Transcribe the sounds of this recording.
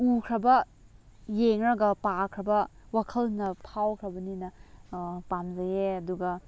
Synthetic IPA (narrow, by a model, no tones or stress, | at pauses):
ukʰɾɐbɐ | jeŋɾɐɡɐpakʰɾɐbɐwakʰɐlnɐpʰawkʰɾɐbɐninɐ | pamzɐjeɐduɡɐ